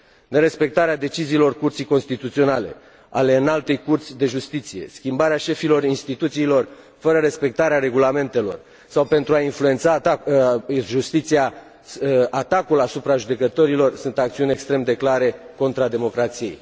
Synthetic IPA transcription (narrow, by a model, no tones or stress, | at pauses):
ne̞ɾe̞spe̞k̚t̪aɾead̪e̞t͡ʃiziːlo̞rkurt̪sijko̞nst̪it̪ut̪sio̞nale̞̰ | ale̞ɨnalt̪e̞jkurt̪sʲd̪e̞ʒust̪it̪sije̞̰skʲimbaɾeaʃe̞filo̞rinst̪it̪ut̪siːlo̞r | fəɾəɾe̞spe̞k̚t̪aɾeaɾe̞ɡulame̞nt̪e̞lo̞̰r | sawpe̞nt̪ɾuainflue̞nt̪sa | ʒust̪it̪sija | at̪akulasupɾaʒud̪e̞kət̪o̞ɾilo̞rsunt̪ak̚t̪siunʲe̞kst̪ɾe̞md̪e̞klaɾe̞ko̞nt̪ɾad̪e̞mo̞kɾat̪sije̞̰j